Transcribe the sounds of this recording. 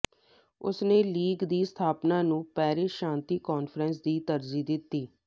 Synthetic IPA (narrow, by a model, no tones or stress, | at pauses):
ʊ̰sneːliːɡd̪iːst̪ʰaːpnãːnũːpɛːɾeːʃãːnt̪iːkɔːnfʰɾənsd̪iːt̪əɾziːd̪ɪt̪ːiː